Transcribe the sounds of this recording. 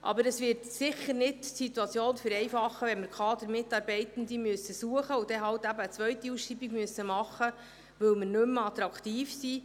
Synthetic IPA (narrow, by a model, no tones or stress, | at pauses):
ʔɑ̰bəɾəsʋɪːɾtsɪχəɾnɪdsituɑt͡sjoːnfʏɾɛjfɑχːəʋɛnməɾkχɑːd̪əɾmɪtːɑːɾbɛɪt̪ən̩d̪imyəsəsuəχəʊd̥̪ɛɦɑwtæbəːt͡sʋœɥtiusʃiːbiɡmyəsəmɑχːə | ʋɵwmərnɵmɑt̪ɾɑkt̪iːfsiː